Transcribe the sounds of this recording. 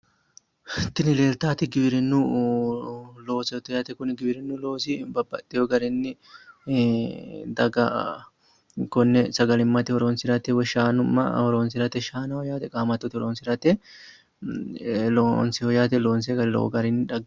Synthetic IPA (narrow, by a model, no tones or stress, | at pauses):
t̪ɪnɪle̞ːlt̪aːt̪ɪɡɪbɪɾɪnːu | lo̞ːsɛt̪ɪjat̪ɛkʊnɡɪbɪɾɪnːulo̞ːsɪbɐbːɐ̰t̪ːɛɔɡɐɾɪnːɪ | d̪ɐɡɐ | kɔnːɛsɐɡɐlɪmːɐt̪ɪhɔɾoːnsɪɾɐt̪ɛwɛʃaːnʊmːɐ̰hɔɾoːnsɪɾɐt̪ɛʃaːnɐhɔjaːt̪ɛkʼaːmɐt̪ːɔt̪ɪhɔɾoːnsɪɾɐt̪ɛ | lonsɪhɔjaːt̪ɛloːns̬eɡɐɾɪlo̰ɡɐɾɪnːɪᶑɐɡ